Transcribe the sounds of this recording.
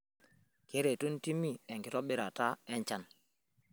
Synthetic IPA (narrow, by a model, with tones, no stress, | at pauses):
ke˦ɾe˨tu˦n˦ti˦mi˦˨e˨ŋɡi˨tɔ˦ɓi˦ɾa˨ta˦ɛ˦ɲt͡ʃa˦n